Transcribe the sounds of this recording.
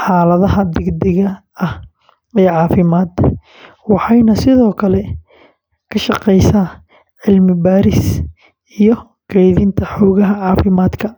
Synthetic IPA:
ħɑːlɐðɐɦɐd̪ɛɡd̪ɛɣɐ | ɐh | ɛːʕɑːfɪmaːd̪ | wɑħɑjnɐsɪðɔːkʰɐlɛ | kʰɐʃɑqɛjsaː | ʕɪlmɪbaːɾɪs | ijɞ | kʰɛjðɪnt̪ʰɐħɔːɣɐɦɐʕɑːfɪmaːd̪kʰɐ

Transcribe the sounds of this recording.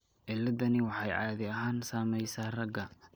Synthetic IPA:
ʕɪlːɐðɐnɪwɑħɑjʕɑːðɪɐɦaːnsaːmɛjsaːrɐɡɐ

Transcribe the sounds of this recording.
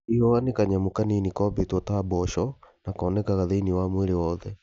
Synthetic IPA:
iɔanekaɲamokaninikɔbetɔtabɔʃɔnakɔːnɛkaɣaðeiniwamweɾewɔːðɛ

